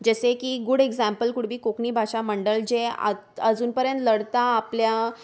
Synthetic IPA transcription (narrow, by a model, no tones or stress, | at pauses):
d͡ʑəsekiːɡuɽeɡzæmpəlkuɽ̤biːkokɳiːbʱaɕaməɳɖəld͡ʑea̰ | əd͡zuːnpəɾjənt̪ləɽt̪aːplja